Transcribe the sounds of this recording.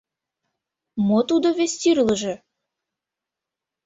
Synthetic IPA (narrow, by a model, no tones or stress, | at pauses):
mot̪ud̪oβesʲt̪iɾləʒĕ